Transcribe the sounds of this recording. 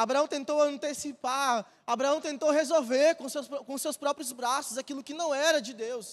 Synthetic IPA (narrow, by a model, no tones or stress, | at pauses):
abɾaɐ̃w̃t̪ẽnt̪owɐ̃nt̪esipa | abɾaɐ̃w̃t̪ẽnt̪owɦezowveɾkõsewsɾkõʊsewspɾɔpɾjʊzbɾasʊzakilʊkɪnɐ̃w̃ɛɾɐd͡ʒɪd̪ews